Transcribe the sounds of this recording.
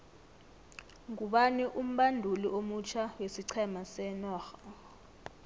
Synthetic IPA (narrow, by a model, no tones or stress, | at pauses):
ŋuɓaniʔum̩ɓandʱuliʔomut͡ʃʰawesiǀʰɛmasɛnɔːxa